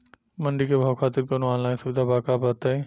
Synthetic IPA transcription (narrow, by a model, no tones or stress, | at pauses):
mɐ̃ɳɖikʰeːbʱaʋxʰaːt̪ɪɾkɐnõaːnlaːɪnsʊbd̪ʱabaːkaːpat̪aĩ